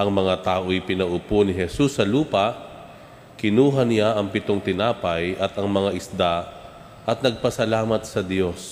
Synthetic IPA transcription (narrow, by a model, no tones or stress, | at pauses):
ʔɐŋmɐŋat̪aːʔojpɪnɐʔʊponɪɦɛsusːɐluːpɐʔ | kɪnuːɦɐnɪaʔɐŋpɪt̪oŋt̪ɪnaːpɐjʔɐt̪ɐŋmɐŋaʔɪsd̪a | ʔɐt̪̚nɐɡ̚pɐsɐlaːmɐt̪sɐd̪jo̞s